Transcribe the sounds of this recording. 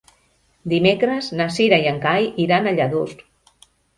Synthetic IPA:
d̪imekɾəznasiɾajaŋkajiɾanaʎaðust̪

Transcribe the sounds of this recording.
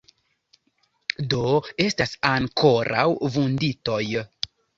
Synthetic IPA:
do̞e̞stasaŋkʰo̞ɾʔa̰wvundito̞j

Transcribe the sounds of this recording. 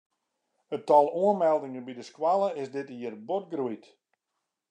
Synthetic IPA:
ətɔlˠuənmɛlˠdɪŋənbidəskwalˠəɪsdɪtiərbot̚ɡruit

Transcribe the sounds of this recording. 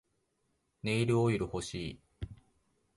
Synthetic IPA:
ne̞iɾɯ̟oiɾɯ̟ho̞ɕiː

